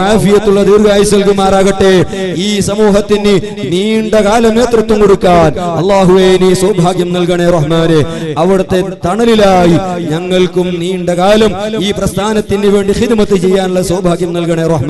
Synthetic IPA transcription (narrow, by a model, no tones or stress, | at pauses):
aːfijɐt̪ːuɭːɐd̪iːrɡaːjisɣɐɭkumːaːɾaːɣɐʈːe̞ | iːsɐmuːɦɐt̪ːinːɨ | niːɳɖɐkaːlɐmneːt̪rɐt̪ːɐmkoɽukːaːnɐlˠˤːaːɦuʋeːjiniːswɐːbʱaːkjɐmnɐlkɐɳerɐhmaːneɐʋiɽɐt̪ːe̞t̪ɐɳɐlilaːjiɲɐŋːɐɭkumniːɳɖɐkaːlɐmiːprɐst̪ʰaːnɐt̪ːinːɨʋe̞ːɳɖixid̪mɐt̪ːɨt͡ɕe̞jːaːnuɭːɐswɐːbʱaːɡjɐmnɐlkɐɳeɾɐhmaː